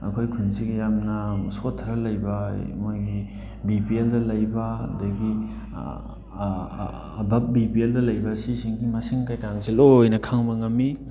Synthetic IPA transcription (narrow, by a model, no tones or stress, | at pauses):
ɐ̰kʰojkʰunsiɡijamnɐsotʰɐɾɐlɐjbɐ̰mojɡi | bipieldɐlɐjbɐdɐɡi | bɐp̚bipieldɐlɐjbɐsisiŋɡimɐsiŋkajkaŋsilojnɐkʰaŋbɐŋɐmːi